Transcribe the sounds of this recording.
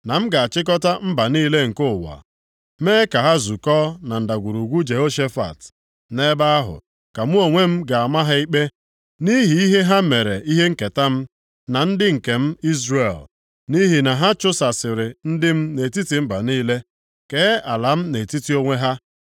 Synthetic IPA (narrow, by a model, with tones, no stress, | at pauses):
na˨m̩˦ɡa˨a˨t͡ʃɪ˦k̬ɔ˦ta˦m̩˦ba˨niː˦le˦ŋ̩˨ko˦˨wa̰˨ | meː˦ka˨ɦa˦zu˨kɔː˦na˨n̩˨da˨ɡʷu˨ɾu˨ɡʷu˦d͡ʒe˨ɦo˦ʃe˦fa̰˨t | ne˦ba˦a˦ɦʊ̰˨ | ka˨mu˦o˨ŋʷe˦m̩˦ɡa˨a˨ma˦ɦa˦i˦k͡pe˦ | ni˦ɦi˨i˦ɦe˦ɦa˦me˨ɾe˨i˦ɦe˦ŋ̩˦ke˨ta˦m̩˦ | na˨n̩˦dɪ˦ŋ̩˨ke˨m̩˦i˦zɾe˨l | ni˦ɦi˨na˨ɦa˦t͡ʃʊ˦sa˨sɪ˨ɾɪ˨n̩˦dɪ˦m̩˦ne˨ti˦ti˨m̩˦ba˨niː˦le˦ | ke˦a˨la˨m̩˦ne˨ti˦ti˦o˦ŋʷe˦ɦa˦